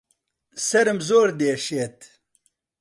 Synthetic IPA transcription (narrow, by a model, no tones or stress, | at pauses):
sɐɾəmzoːɾd̪eːʂeːt̪